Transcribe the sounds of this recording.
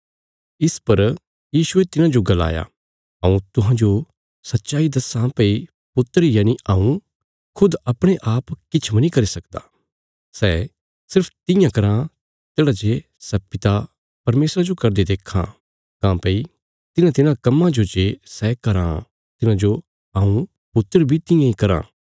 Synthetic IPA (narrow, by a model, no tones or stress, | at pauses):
ɪspɐɾ | jiːʃuet̪ɪnãd͡ʒoɡɐla̰ːja̰ | ɦɐ̃ːũt̪ʊɦãːd͡ʒo | sɐtːʃaːid̪ɐsãpei | pʊt̪ːɾijaːñiaːũ | kʰʊd̪ɐpɽ̃eʔaːpkɪt͡ʃʰmɐnĩkɐɾisɐkd̪a̰ː | sɛ | sɪɾpʰt̪ɪ̃jãkɐɾã | t̪eːɽad͡ʒe | sɛpɪt̪a | pɐɾmeːsɾad͡ʒokɐɾd̪ed̪eːkʰã̰ | kãːpɐi | t̪ɪnãt̪ɪnãkɐmːãd͡ʒod͡ʒesɛkɐɾã̰ | t̪ɪnãd͡ʒo | aːũ | pʊt̪ːəɾbʱit̪ɪ̃jãikɐɾã̰ː